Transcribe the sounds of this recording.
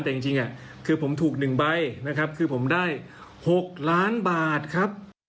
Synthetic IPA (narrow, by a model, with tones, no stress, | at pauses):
t̪ɛ˨˩i˧ŋt͡ɕi˧ŋʔa˨˩ | kʰɯː˧pʰo˩˦mt̪ʰuː˨˩k̚nɯ˨˩ŋba˧jna˦˥kʰɾa˦˥p̚kʰɯː˧pʰo˩˦mdaː˥˩j | ho˨˩k̚laː˦˥nbaː˨˩t̪̚kʰɾa˦˥p̚